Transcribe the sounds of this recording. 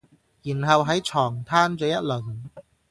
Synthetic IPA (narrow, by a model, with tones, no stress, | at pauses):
jiː˨˩nɦɐ˨˧wɦɐ˨˥jt͡ʃʰɔː˨˩ŋt̪ʰaː˥nt͡sɔː˧˥jɐ˦˥t̚lɵ˨˩n